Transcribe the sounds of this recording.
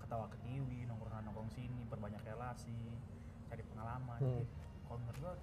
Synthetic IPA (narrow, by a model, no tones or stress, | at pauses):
kə̥t̪awakət̪iwinɔŋkɔŋsanɔŋkɔŋsinipərbaɲakrelasi | t͡ʃaɾipəŋalamand͡ʒi | kalŋərɡa